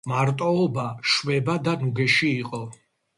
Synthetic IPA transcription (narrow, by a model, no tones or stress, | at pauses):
maɾt̪ʼɔːbaʃwɛbad̪anuɡɛʃiːqʼɔ